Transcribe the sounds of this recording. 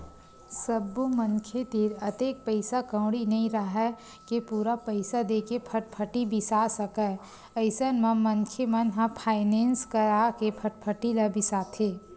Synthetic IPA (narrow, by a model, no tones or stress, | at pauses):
səbːuməŋkʰet̪ɪɾɐt̪eːk̚pəɪsakə̃ːɽinɐĩɾəɦɛ | kepuːɾapəɪsad̪eːkepʰəʈ̚pʰəʈibɪsasəkɛ | əɪsənmə̃mə̃ŋkʰemənɦãpʰaːɪnẽːnskəɾaːkepʰəʈ̚pʰəʈilabɪsaːt̪ʰeː